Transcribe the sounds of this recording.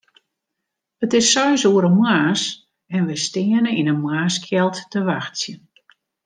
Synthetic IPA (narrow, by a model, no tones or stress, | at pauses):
ətɪsːœɥsuəɾəmwaːs | ɛnʋɪstɪənəinəmwaːskʰjɛlˠtːəʋaxtsjə